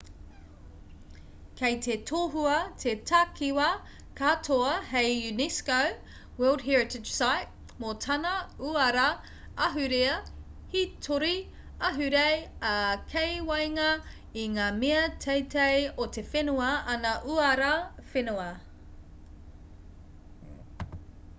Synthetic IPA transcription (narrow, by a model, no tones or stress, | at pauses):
kʰejt̪ʰetʰoːɦuɐtʰetʰakʰiwɐ | kʰatʰoɐhejjʉnɛskow | wɜldɦɛɹɪtɪd͡ʒsajt | motʰɐnɐuɐɾɐ | ɐɦʉɾeɐ | hitʰoɾi | ɐɦʉɾejɐkʰejwɐjŋɐ | iŋaːmeɐtʰejtʰejot̪ʰefenuɐɐnɐʔuɐɾɐfenuɐ